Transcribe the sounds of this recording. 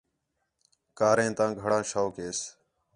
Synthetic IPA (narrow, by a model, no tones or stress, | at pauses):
kaːɾẽːt̪ãːɡʱəɽãːʃaːkeːs